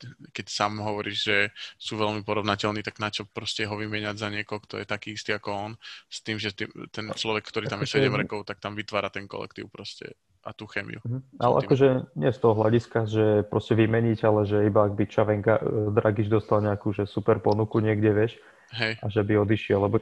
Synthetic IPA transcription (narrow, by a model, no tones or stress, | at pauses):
kɛcsaːmɦɔʋɔɾiːʒʒɛsuːʋɛlmipɔɾɔʋnacɛlniːt̪aɡnat͡ʃɔpɾɔscɛɦɔʋimɪɛɲaɟzaɲɪɛkɔɦɔkt̪ɔ̰jɛt̪akiːist̪iakɔɔnst̪iːmʒɛt̪ḭmt̪ɛnt͡ʃlɔʋɛkːt̪ɔɾitt̪amjɛsɛɟɛmɾɛkɔʊt̪ak̚t̪amʋit̪ʋaːɾat̪ɛnkɔ̰lɛ̰kt̪ḭʊpɾɔscɛ̰ | ʔa̰t̪uːxɛmḭjṵm̩ɦ̩a̰lɛ̰akɔʒɛɲɪɛst̪ɔɦɔɦlaɟiskaʒɛpɾɔscɛʋimɛɲiɟalɛʒɛibaːɡbit͡ʃaʋɛŋkad̪ɾaɡid͡ʒd̪ɔst̪alɲɛakuːʒɛsupɛɾpɔnukuɲɪɛɡɟɛʋɪɛʃ | ɦɛjaʒɛbiɔd̪iʃɪɛlːɛbɔ